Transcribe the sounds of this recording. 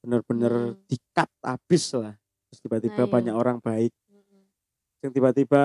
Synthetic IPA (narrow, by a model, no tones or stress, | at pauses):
b̥ənərb̥ənərd̪̥ikat̪̚a̰b̥ɪslah | t̪t̪ɾʊst̪ibat̪ib̥abaɲaʔoɾaŋb̥aɪk̚ | səŋt̪ibat̪iba